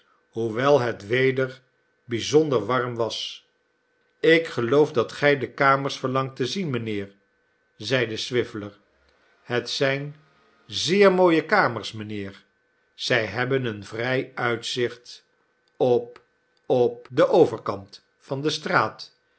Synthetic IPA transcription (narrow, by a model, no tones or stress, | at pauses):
ɦuʋɛlˠɦətʋejdəɹ | bizɔndəɹʋɑɹmʋɑs | ɪkχəlowfdɑtχɛjdəkaːməɹsfəɹlɑŋtəzinmənɪːɹ | zɛjdəsʋɪfələɹ | hətsɛjn | zɪːɹmoːjəkaːməɹsmənɪːɹ | z̥ɛjɦɛbənənvrɛjœɥtsɪχt | ɔp | ɔp̚dəʔowvəɹkɑnt | fɑndəstraːt